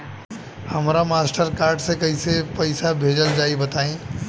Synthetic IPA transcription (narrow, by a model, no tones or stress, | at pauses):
həmɾamasʈəɾkaːɾɖsẽkəisepəɪsabʱeːd͡ʒəld͡ʒaːibət̪aːĩ